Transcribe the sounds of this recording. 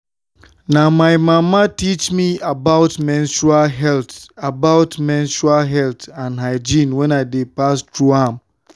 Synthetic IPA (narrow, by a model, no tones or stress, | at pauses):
nãmaɪmãmatit͡ʃmiabaʊtmɛ̃nʃualɦɛltabaʊtmɛ̃nʃualɦɛltãnɦaɪd͡ʒĩnwɛ̃naɪdepastʰɹuãm